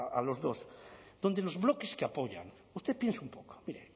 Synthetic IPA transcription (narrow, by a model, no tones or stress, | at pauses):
alozðosd̪ond̪elozβlokeskeapoʎa̰ŋ | ust̪epjensumpoko̥miɾe